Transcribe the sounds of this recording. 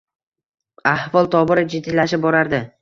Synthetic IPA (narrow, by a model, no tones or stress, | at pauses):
ahvɒlˠt̪ʰɒbɪɾɪd͡ʒɪd̪ːilːaʃɪp̚bɒɾaɾd̪ɪ